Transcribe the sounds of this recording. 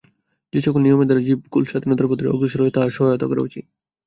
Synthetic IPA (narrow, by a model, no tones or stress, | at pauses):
d͡ʑet͡ɕʰokulnijomed̪aɾd͡ʑib̚kulʃad̪ʱinɔd̪aɾpot̪ːɾiɔ̰ɡɾuʃoɾoet̪aɾʃɔɦajot̪o̰koɾḛut͡ɕi